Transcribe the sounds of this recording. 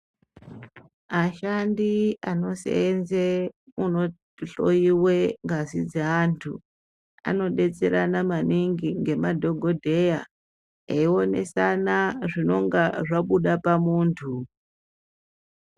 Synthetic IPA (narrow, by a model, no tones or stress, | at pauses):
maʃandiano̞sḛenzeuno̞ | ɬo̰jiwe̞ŋɡasid͡zeantʰu | a̰no̞ɗe̞t͡se̞ɾanamaniŋɡiŋɡe̞madʱo̞ɡʱo̞dʱe̞ja | eio̞ne̞̰sanaʐino̞ŋɡaʐaɓuɗapamuːntʰu